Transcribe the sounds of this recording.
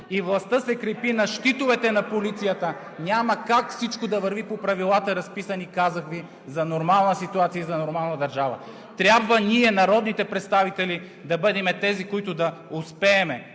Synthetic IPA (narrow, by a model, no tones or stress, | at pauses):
ivlˠɐst̪əsɛkɾɛpinɐʃt̪it̪ʊvɛt̪ɛnɐpolit̪sijət̪ə | nʲaməkakfsit͡ʃkod̪ɐvəɾvipopɾɐvilˠat̪əɾɐspisɐnikazɐxvi | zɐnoɾmalˠnəsit̪uat̪sijəizɐnoɾmalˠnɐd̪ɐɾʒavə̰ | t̪ɾʲabvəniɛnɐɾɔd̪nit̪ɛpɾɛt̪st̪avit̪ɛli | d̪ɐbɤd̪ɛmɛt̪ɛzikoit̪ʊd̪ɐʊspɛːmɛ